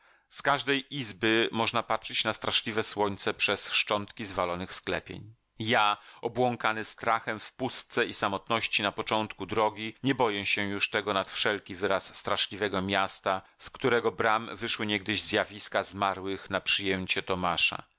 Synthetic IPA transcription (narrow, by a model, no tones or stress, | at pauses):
skaʐd̪ɛjʔizbɘmɔʐnapatʂɘt͡ɕnast̪ɾaʂlʲivɛswɔɲt̪sɛpʂɛsʂt͡ʂɔnt̪kʲizvalɔnɘxsklɛpʲjḛɲ | jaɔbwɔŋkanɘst̪ɾaxɛmfpust̪̚sɛisamɔt̪nɔɕt͡ɕinapɔt͡ʂɔnt̪kud̪ɾɔɡʲiɲɛbɔjɛɕɛjuʂt̪ɛɡɔnat̪fʂɛlkʲivɘɾasːt̪ɾaʂlʲivɛɡɔmʲjast̪askt̪uɾɛɡɔbɾamvɘʂwɘɲɛɡ̚d̪ɘʑzjavʲiskazmaɾwɘxnapʂɘjɛmt͡ɕɛt̪ɔmaʂa̰